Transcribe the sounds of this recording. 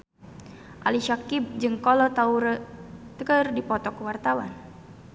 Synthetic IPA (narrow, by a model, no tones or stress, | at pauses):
ʔaliʃakib̚d͡ʒɨŋkɔlɔt̪auɾət̪əkərdipɔt̪ɔkəwart̪awa̰n